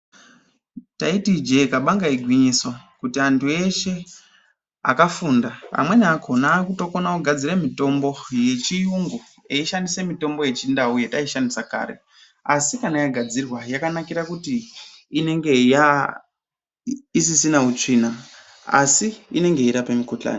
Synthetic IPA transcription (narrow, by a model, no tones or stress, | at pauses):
taitid͡ʒe̞kaɓaŋɡaiɡʱwiɲiso̞kutiantʰue̞ʃe̞ | a̰kafuːndapa̰mwe̞nakʰo̞naːkuto̞konaoɡʱad͡ziremito̞mbo̞je̞t͡ʃijuŋɡo | eiʃandisemito̞mbo̞je̞t͡ʃindauje̞taiʃandisaka̰ːɾe̞̰ | asikanajaɡʱad͡zirwajakanakiɾakutiː | ne̞ŋɡe̞ja | isisinaut͡ʂina | a̰siːne̞ŋɡe̞iɾapamikot͡ɬa̰ːni